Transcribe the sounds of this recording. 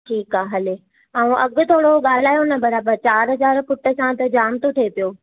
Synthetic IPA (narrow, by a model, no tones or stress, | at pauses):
ʈʰiːkaːɦɐle | aːũʔɐɠʊ̆t̪ʰoːɽoɠaːl̤aːjonɐbɐɾaːbəɾt͡ɕaːɾɦɐzaːɾpʊʈə̆sãt̪ɐd͡ʑaːmt̪ot̪ʰepijoː